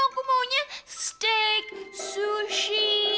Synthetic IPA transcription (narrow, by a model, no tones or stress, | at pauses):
kumoɲasstek̚suʃi